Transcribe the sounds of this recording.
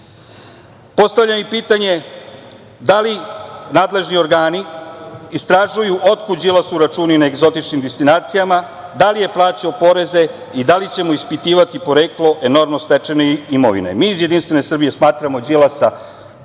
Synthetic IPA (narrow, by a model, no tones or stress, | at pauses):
po̞st̪aʋvʎʲamipiːt̪aɲe̞ | d̪alinaːd̪le̞ʒnio̞ɾɡaːni | ist̪ɾaʒujuʔo̞t̪kud͡ʑilˠasuɾat͡ʃuːninaeɡzo̞t̪it͡ʃnimd̪est̪inaːt̪sijama | d̪alije̞plˠaːt͡ɕiopo̞ɾe̞ze̞ | id̪alit͡ɕe̞moispit̪iːʋat̪ipo̞ɾeːklo̞ʔe̞no̞ɾmnost̪et͡ʃe̞neimo̰ʋḭnḛmiːzjed̪inst̪ʋe̞ne̞sr̩bije̞smaːt̪ɾamo̞d͡ʑilˠasa